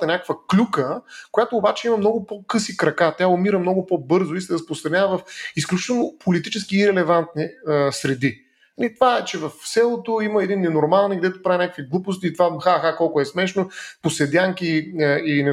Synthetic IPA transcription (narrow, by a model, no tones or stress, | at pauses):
t̪ɛnʲakəkvəklʲukəkojat̪oːbat͡ʃɛimɐmnɔɡʊpokɤsikɾɐkat̪ʲaʊmiɾəmnɔɡʊpɔbɤɾzʊisɛɾəspɾost̪ɾɐnʲavəvɐfisklʲut͡ʃit̪ɛlˠnʊpolit̪it͡ʃɛskiːɾɛlɛvant̪niəsɾɛd̪i | ɐnit̪ovaɛt͡ʃɛvɐfsɛlˠot̪ʊiməɛd̪inːɛnoɾmalˠnɛɡd̪ɛt̪ʊpɾavʲinʲakəkviɡlˠupʊs̬t̪iːt̪ovaxaxakɔlˠkʊɛsmɛʃnoposɛd̪ʲjaŋkiinɛ